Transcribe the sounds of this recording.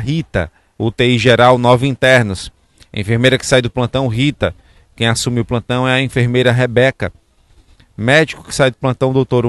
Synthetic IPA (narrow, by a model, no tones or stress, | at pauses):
ɦit̪ɐ̰ | ut̪eiʒeɾawnɔvɪĩt̪ɛɾnʊs | ḛ̃feɾmejɾɐkɪ̥sajd̪ʊplɐ̃nt̪ɐ̃w̃ɦit̪ɐ | kẽj̃asũmɪʊplɐ̃nt̪ɐ̃w̃ɛɐĩfeɾmejɾɐɦebɛkɐ | mɛd͡ʒikʊ̥kɪ̥sajd̪ʊplɐ̃nt̪ɐ̃w̃d̪owt̪oɾ